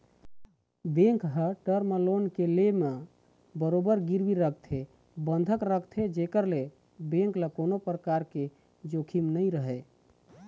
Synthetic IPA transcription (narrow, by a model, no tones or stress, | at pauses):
bẽŋkɦəʈəɾməlonkeleme | bəɾobəɾɡiɾbiɾəkʰt̪ʰe | bənd̪ʱəkɾəkʰt̪ʰed͡ʒekəɾle | bẽŋkləkonopɾəkaɾke | d͡ʒokʰimnəjɾəɦɛ